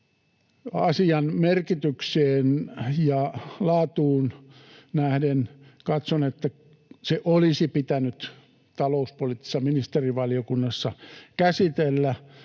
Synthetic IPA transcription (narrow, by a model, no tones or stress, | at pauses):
ɑ̰siɑnmerkit̪ykseːnjɑlɑːt̪uːnnæhdenkɑt̪sonet̪ːæ | seʔolisipit̪ænyt̪ | t̪ɑlouspolit̪ːi̥sːɑminist̪eriʋɑliokunːɑsːɑkæsit̪elːæ